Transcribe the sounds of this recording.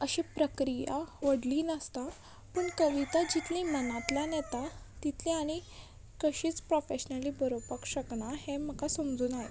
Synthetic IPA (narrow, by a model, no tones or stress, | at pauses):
əɕepɾəkɾija̰ʋəɽliːnəst̪a | pəɳkəʋit̪ad͡ʑit̪lĩmənat̪lanjɛt̪a | t̪it̪ʰlĩaɽ̃i | kəɕiːt͡spɾofeɕnəliːbəɾopəkɕəkɳaɦem̤əkasəmd͡zuːnaɦḛ